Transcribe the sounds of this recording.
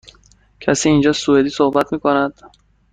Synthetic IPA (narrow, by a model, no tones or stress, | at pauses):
cʰæsiːnd͡ʒɒːsued̪iːsohbæt̪miːkonæd̪̥